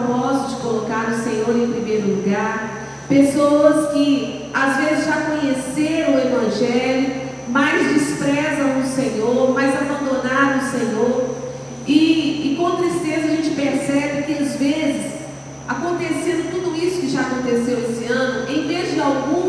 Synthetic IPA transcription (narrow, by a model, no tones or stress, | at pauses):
mɔzʊd͡ʒɪkolokaɾʊsẽɲoɾẽj̃pɾimejɾʊluɡaɾ | pesowɐskɪ | azvezɪzʒakõɲeseɾɐ̃ʊevɐ̃ʒɛlʊ | majzd͡ʒispɾɛzɐ̃w̃ʊsẽɲoɾmajzabɐ̃nd̪onaɾɐ̃w̃ʊsẽɲoɾ | ɪːkõt̪ɾist̪ezɐaʒẽnt͡ʃɪpeɾsɛbɪkɪazvezɪs | akõnt̪eseɾɐ̃t̪ud̪ʊisʊ̥kɪʒaːkõnt̪esewesɪɐ̃nʊʔẽj̃vezd͡ʒɪawɡũ